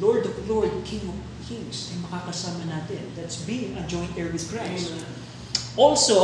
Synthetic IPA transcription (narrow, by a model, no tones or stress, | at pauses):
lɔɹd̪ɔvloɹd̪̚kʰɪ̃ŋɔv | kʰɪ̃ŋsɐjmɐkakɐsaːmɐnaːt̪ɛnd̪at̪sbiŋɐd͡ʒɔ̃j̃nt̪ɛɹwɪðkɹas | ʔɔlso